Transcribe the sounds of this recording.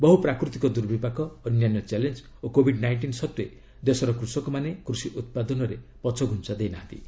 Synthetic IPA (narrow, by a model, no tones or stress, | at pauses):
bɔɦupɾakɾut̪ikɔd̪uɾbʱipakɔːnjanjɔt͡ʃalend͡ʒ | okobʱiɖnajɳʈinsɔt̪ue | d̪esɔɾɔkɾusɔkɔmanekɾusiʔut̪̚pad̪ɔnɔɾepɔt͡ʃʰɔɡʱunt͡ʃad̪ejnaɦãnt̪ḭ